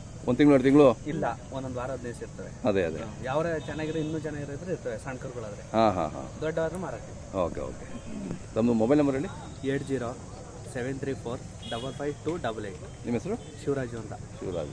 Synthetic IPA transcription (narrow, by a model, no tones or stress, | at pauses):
ond̪t̪iŋɡɭeɽt̪iŋɡɭuilːɐond̪od̪ʋaːɾɐɐd̪nejsiɾt̪ɐʋeɐd̪eɐd̪ejaːʋɾet͡ʃɐnːaːɡiɾeinːuːt͡ʃɐnːaːɡiɾid̪ɾeiɾt̪ɐʋesɐɳkɐɾɡuɭaːd̪ɾeɦãːɦã̰ɦã̰ːd̪ɔɖːɐʋaːd̪ɾumaːɾaɾt̪iioːkeo̰ket̪ɐmd̪umobɐjlnɐmbɐɾeɭːi | eːʈd͡ʒiːɾo | seʋent̪ʰɾiːpʰoːɾ | ɖɐbɐlpʰɐjʋʈuːɖɐbɐlejʈ | nimesɐɾu | ʃiʋɾaːd͡ʒuʋɐnt̪ɐʃḭʋɾa̰ːd͡ʒu